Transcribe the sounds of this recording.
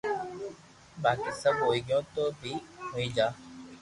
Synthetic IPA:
baːkisəboːiɡjõːt̪obʱihoĩd͡ʒaː

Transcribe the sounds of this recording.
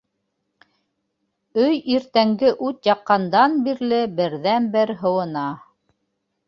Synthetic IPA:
ɵjiɾt̪æŋɡɘʔʉt̪jɑqːɑnd̪ɑnbiɾlɘbɘ̆ɾðænbɘɾɦɤ̆wɤ̆nɑ

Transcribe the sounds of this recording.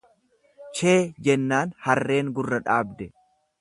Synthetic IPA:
t͡ʃe̞ːd͡ʒɛnːaːnhɐrːe̞ːŋɡʊrːɐᶑaːbd̪ɛ

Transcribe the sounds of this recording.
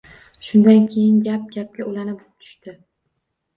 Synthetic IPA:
ʃʊnd̪ankʲʰejɪnɡʲap̚ɡʲap̚kʲaʊlanɪbp̚t̪ʰʊ̥ʃt̪ɪ

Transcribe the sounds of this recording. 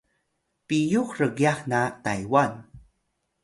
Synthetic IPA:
pijuxɾəɡiaxnata̰jwan

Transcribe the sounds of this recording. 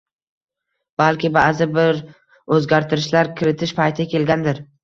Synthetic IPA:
b̥alkʲɪbaːzɪbɪɾ | ɵzɡʲaɾt̪ʰɪɾɪʃlaɾkʲʰɪɾɪt̪ʰɪʃpʰajt̪ʰɪakʲʰe̞lɡʲand̪ɪɾ

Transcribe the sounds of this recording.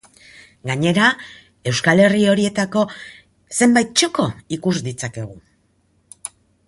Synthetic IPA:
ɡaɲe̞ɾa | e̞wskale̞rio̞ɾie̞t̪ako̞ | se̞mbajt̪̚t͡ʃo̞ko̞ikuzd̪it͡sake̞ɣ̞u

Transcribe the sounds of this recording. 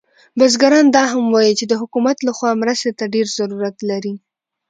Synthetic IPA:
bazɡaɾɑnd̪ɑɦamwɑjit͡ʃed̪əɦʊkumat̪laxwɑmɾəst̪et̪aɖeɾzaɾuɾat̪laɾi

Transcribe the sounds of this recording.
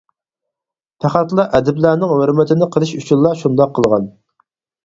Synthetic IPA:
pʰæχæt̪lˠɑʔɛd̪ɪblænɪŋhøɾmɪt̪ʰɪnɪqʰəlˠɨʃut͡ʃʰinlːˠɑʃund̪ɑqʰːəlˠʁɑn

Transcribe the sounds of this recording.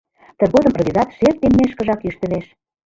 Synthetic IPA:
t̪ə̆rɣod̪ə̆mprovʲizɑt̪ʃert̪̚ːemːeʃkə̆ʒɑkyʃt̪ə̆leʃ

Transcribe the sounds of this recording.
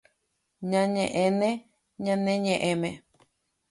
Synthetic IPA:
ɲãɲẽʔẽnẽ | ɲãnẽɲẽʔẽmẽ

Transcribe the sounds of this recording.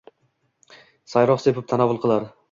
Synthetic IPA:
sajɾɒχsepɪp̚t̪ʰanavʊlˠqʰɨlˠaɾ

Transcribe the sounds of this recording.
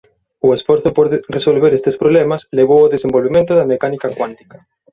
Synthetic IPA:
ʊesfoɾθopoɾresolβeɾest̪espɾoβlemasleɣ̞owoðesembolβemẽnt̪ʊðɐmekanikakwant̪i̥kḁ

